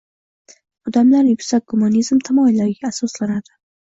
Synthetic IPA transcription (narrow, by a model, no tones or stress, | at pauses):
ɒd̪amlaɾjʊksak̚ɡʊmɑnizmt̪ʰamɒjlaɾɪɡʲaːsɒslanad̪̥ɪ